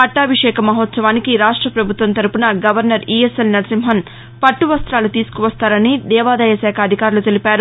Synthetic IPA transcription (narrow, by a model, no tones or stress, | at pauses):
ɐʈːaːʋiʂɛːkʰɐmɐɦoːt̪sɐʋaːnikiɾaːʂʈɾɐpɾɐbʱut̪ʋɐnt̪ɐɾupunɐɡɐʋɐɾnɐɾiːeselnɐɾsimɦɐn | pɐʈːuʋɐst̪ɾaːlut̪iːsu̥kuʋɐst̪aːɾɐnid̪ɛːʋaːd̪ɐjɐsɛːkʰɐːd̪ʱikaːɾulut̪elipaːɾu